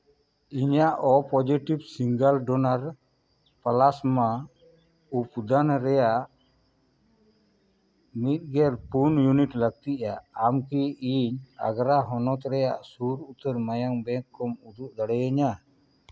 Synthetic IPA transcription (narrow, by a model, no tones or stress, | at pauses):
iɲaʔɔpɔd͡ʒiʈibsiŋɡəlɖɔnaɾ | palasma | upd̪anɾɛjaʔ | mit̪̚ɡɛɾpunjuniʈləɡ̚t̪iʔaːmkiiɲa̰ɡɾaɦɔnɔt̪ɾɛjaʔsuɾut̪əɾmajaŋbɛkːɔmud̪uʔd̪aɽɛjaɲa